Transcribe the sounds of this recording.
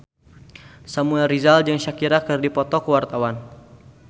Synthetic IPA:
samuɛlrizald͡ʒaŋʃakiɾakərdipɔt̪ɔkəwart̪awan

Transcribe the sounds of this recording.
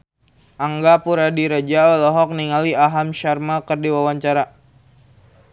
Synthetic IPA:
ʔaŋɡapuɾadiɾad͡ʒaɔlɔɦɔk̚niŋaliaɦamʃarmakərdiwawaɲt͡ʃaɾa

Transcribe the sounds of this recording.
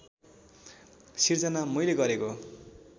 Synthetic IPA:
sird͡zʌnamʌjleɡʌɾeko

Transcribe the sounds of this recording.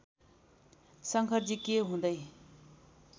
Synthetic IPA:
saŋkʰərd͡ʑikːeɦund̪aj

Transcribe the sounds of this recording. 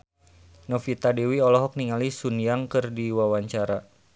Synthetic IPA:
nɔfit̪adewiɔlɔɦɔk̚niŋalisunjaŋkɨrdiwawaɲt͡ʃaɾa

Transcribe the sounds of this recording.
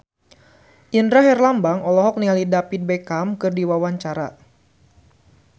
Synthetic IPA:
ʔindɾaɦɛrlambaŋɔlɔɦɔk̚nialidapit̪̚bekamkɨrdiwawaɲt͡ʃaɾa̰

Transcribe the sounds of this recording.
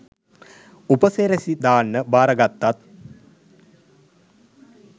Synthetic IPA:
upəseːɾesid̪aːnːəbaːɾɐɡat̪ːat̪̚

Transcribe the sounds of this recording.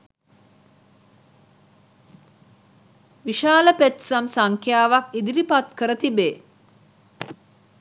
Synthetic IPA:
ʋiʃaːləpet̪samsaŋkʰjaːʋakid̪iɾipat̪kəɾət̪ibeː

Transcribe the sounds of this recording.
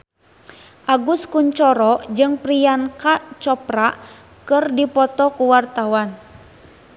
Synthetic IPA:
ʔaɡuskuɲt͡ʃɔɾɔd͡ʒɨŋpɾijankat͡ʃɔpɾaʔ | kɨrdipɔt̪ɔkuwart̪awan

